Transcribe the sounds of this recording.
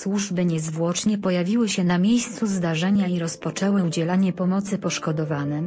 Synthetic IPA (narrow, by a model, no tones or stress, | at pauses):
swuʐbɘɲɛzvwɔt͡ʂɲɛpɔjavʲiwɘɕɛnamʲjejst̪suzd̪aʐɛɲaiɾɔspɔt͡ʂɛwɘud͡ʑɛlaɲɛpɔmɔt̪sɘpɔʂkɔd̪ɔvanɛ